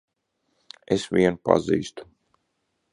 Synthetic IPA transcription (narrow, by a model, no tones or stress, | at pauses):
esʋiɛnupa̰zḭːst̪u̥